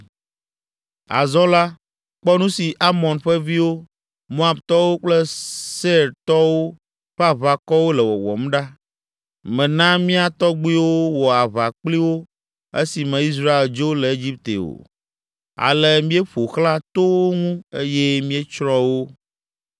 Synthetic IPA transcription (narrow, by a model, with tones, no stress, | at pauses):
a̰˨zɔ̃˦la˦ | k͡pɔ˦nũ˦si˨ʔa˦mɔ̃˨nɸɛ˦vi˦wo˦ | mo˦a˨bt̪ɔ˦wo˦k͡plɛ˦se˦ɾt̪ɔ˦wo˦ | ɸɛ˦a˨βa˨kɔ˦wo˦lɛ˨wɔ̰˨wɔ̰˨m˦ɖa˦ | mɛ̃˨nã˦mĩ˦a˨t̪ɔ˦ɡ͡bi˦wo˦wɔ˨a˨βa˨k͡pli˦wo˦ | ḛ˦si˨mɛ̃˨i˦s̬ɾa˦e˨ld͡ʒo˦lɛ˨e˦d͡ʑi˦p̚t̪ḛ˨o̰˨ | a̰˨lɛ˨mĩ˦e˦ɸo˨xlã˦t̪o˦wo˦ŋũ˦e˦je˦mĩ˦e˦t͡ʃɾɔ̃˦wo˦